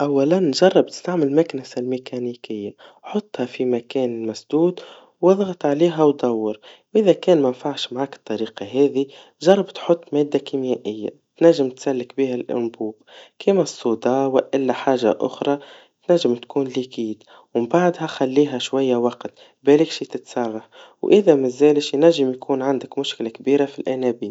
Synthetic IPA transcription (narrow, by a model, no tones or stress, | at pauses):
ʔawːalanʒɑrˤːɑb̚t̪ɪ̥st̪aʕmɪlmaknɪsalmekʰaniːkɪjːaħʊt̪ˤːhɑfimakɛːnɪlmasd̪uːd̪ | wɑðˤɣɑt̪ˤʕaleːɦawd̪ˤɑwːɑɾwʔɪðakɛːnmanfaʕʃmaʕaːkt̪ˤːɑɾiːqɑɦɛːði | ʒɑrˤːɑbt̪ħʊt̪ˤːmeːd̪ːakimjæʔɪjːa̰ | t̪naʒːɪmt̪salːɪkbiːɦalʔʊ̰nbuːbkʰiːmæsˤːuːd̪ɑːwɪʔɪlːæħaːʒa̰ʔʊ̰xɾˤɑ | t̪næʒːɪmt̪kuːnlikiːd̪ | wbaʕd̪haxælːiːɦæʃwajːawɑqt̪ | bælɪkʃit̪ɪt̪sɑːɣɑħwʔɪðæmɪzæːlɪʃjnæʒːɪmjkuːnʕand̪ɪkmʊʃklakbiːɾafilʔænæbiːn